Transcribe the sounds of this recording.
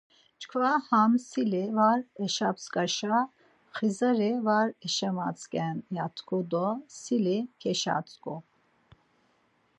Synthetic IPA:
t͡ʃkʰvahamsilivaɾɛʃapskʼaʃa | χizəɾivaɾɛʃɛmat͡sʼkʼɛnjat̪ʰkʰɔd̪ɔsilikʰɛʃa̰t͡sʼkʼɔ

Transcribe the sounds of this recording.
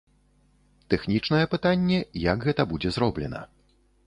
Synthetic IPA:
t̪ɛxnʲit͡ʂnɐjɛpɨt̪anʲːɛjakɣɛt̪ɐbud͡zʲɛzɾɔblʲɛnɐ̰

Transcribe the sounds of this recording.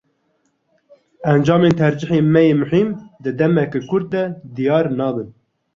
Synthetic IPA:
ɛnd͡ʒɑːmeːnt̪ʰɛɾd͡ʒɪħeːnmɛjeːmʊħimd̪ɨd̪ɛmɛkekʰʊɾd̪̚d̪ɛd̪ijɑːɾnɑːbɨn

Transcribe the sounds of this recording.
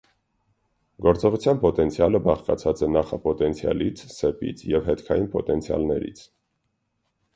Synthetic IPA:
ɡɔɾt͡sɔʁut͡sʰjɑnpɔt̪ɛnt͡sʰjɑləbɑχkɑt͡sʰɑt͡sɛnɑχɑpɔt̪ɛnt͡sʰjɑ̰lit͡sʰsɛpḭt͡sʰjɛvɦɛt̪kʰɑjinpɔt̪ɛnt͡sʰjɑ̰lnɛɾḭt͡sʰ

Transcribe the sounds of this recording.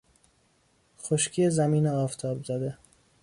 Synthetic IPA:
xoʃcʰiːezæmiːneɒːft̪ʰɒːbzæd̪e

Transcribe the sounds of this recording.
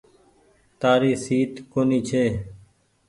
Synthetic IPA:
t̪aːɾiːsiːt̪koːniːt͡ʃʰeː

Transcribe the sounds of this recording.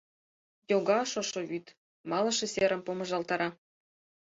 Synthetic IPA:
joɡɑʃŏʃŏβyt̪ | mɑlˠɤ̆ʃĕseɾə̆mpomɤ̆ʒɑlt̪ɑɾɑ

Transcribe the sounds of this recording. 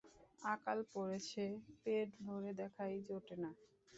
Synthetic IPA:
akalpoɾet͡ɕʰepeʈbʱoɾed̪ɛkʰajd͡ʑoʈena

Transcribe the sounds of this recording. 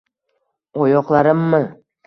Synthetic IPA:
ɒjɒqlˠaɾɪmːɪ

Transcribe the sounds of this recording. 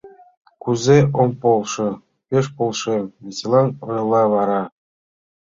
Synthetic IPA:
kuzʲeompolˠʂɤ̆ | pʲeʂ̬polˠʂemvʲesilˠɑnɤ̆jlˠːɑʋɑɾɑ

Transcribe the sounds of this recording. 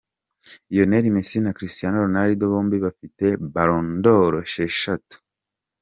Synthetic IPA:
ijo̞neɾimesinakɾistijanoɾonaɾidoβoːmbiβafitebaɾondoɾoʃeʃatu̥

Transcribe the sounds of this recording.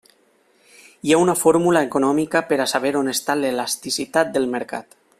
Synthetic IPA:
iaunafoɾmulaekonɔmikapeɾasaβ̞eɾonest̪alelast̪isit̪at̪̚d̪elmeɾka̰t̪

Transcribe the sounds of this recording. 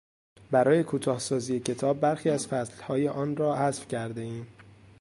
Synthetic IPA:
bæɾɒːje̞kʰuːt̪ʰɒːhsɒːziːje̞cʰe̞t̪ʰɒːbːæɾxiːæzfæslhɒːjeʔɒːnɾɒːhæzfcʰæɾd̪e̞iːm

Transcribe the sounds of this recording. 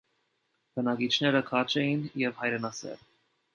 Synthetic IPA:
b̥ənɑkit͡ʃʰnɛɾəkʰɑt͡ʃʰɛjinjɛvhɑjɾɛnɑsɛ̰l

